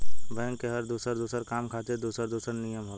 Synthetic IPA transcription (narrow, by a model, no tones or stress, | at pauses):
bɛ̃ːŋkːeɦɐɾd̪uːsəɾd̪uːsəɾkaːmkʰaːt̪eɾd̪uːsəɾd̪uːsəɾnijəmɦoː